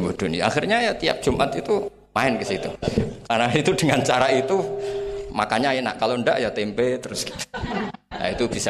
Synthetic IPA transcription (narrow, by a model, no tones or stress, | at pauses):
bod̥onḭa̰xirɲajat̪ia̰p̚dʒ̥umʔat̪it̪u | maɪnkəsit̪ṵkarnait̪udəŋant͡ʃaɾait̪u | makaɲajana̰ʔkalonda̰ʔjat̪ɛmpet̪əɾʊsɡi̥t̪ | ja̰it̪ub̥isa